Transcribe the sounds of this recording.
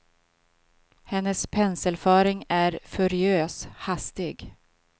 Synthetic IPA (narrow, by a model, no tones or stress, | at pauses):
hɛnːəspʰɛnsəlfœːɾɪŋæɾfɵɾɪøːshast̪ɪɡ